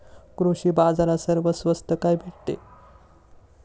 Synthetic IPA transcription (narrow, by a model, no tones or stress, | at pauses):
kɾuɕiːbad͡zaɾasəɾʋəsʋəst̪əkajbʱiʈ̚t̪ḛ